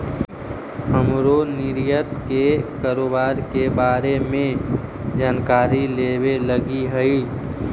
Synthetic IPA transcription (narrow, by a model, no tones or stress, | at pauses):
həmɾonɪɾjət̪kekaːɾoːbaːɾkebaːɾemẽd͡ʒaːnkaːɾileːweləɡiɦəiː